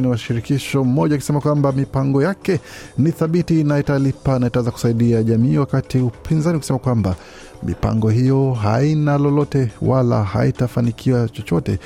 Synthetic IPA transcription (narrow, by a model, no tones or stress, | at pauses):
niwaʃiɾikiʃɔm̩mɔʄakisɛmakwambamipaŋɡɔjakɛniθaɓitinaitalipanaitawɛzaku̥saiɗiaʄamiːwakatiupʰinzaniukuisɛmakwamba | mḭpa̰ŋɡɔɦijɔɦa̰inalɔlɔtɛwala̰ha̰itafanikʰiwat͡ʃɔt͡ʃɔtɛ̰